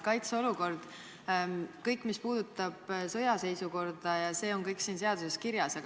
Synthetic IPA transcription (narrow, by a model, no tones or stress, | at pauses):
kɑjt̪so̞luko̞rd̪̥ | kɤjkːˑmispuːd̪̥ut̪ːˑɑb̥sɤjɑse̞jsuko̞rd̪̥ɑjɑse̞ːo̞nkɤjksiːnse̞ɑd̪̥use̞skiɾjɑsɑ